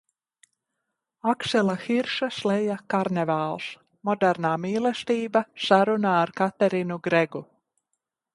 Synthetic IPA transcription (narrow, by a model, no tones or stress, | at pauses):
aksɛlˠaxiɾʃaslˠɛjakaɾnɛvaːlˠs | mɔd̪ɛɾnaːmiːlˠɛst̪iːbasaɾunaːɾkat̪ɛɾinuɡɾɛɡu